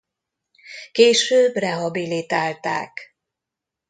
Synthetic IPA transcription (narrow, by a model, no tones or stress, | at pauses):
keːʃøːbrɛɦɒbilit̪aːlt̪a̰ːk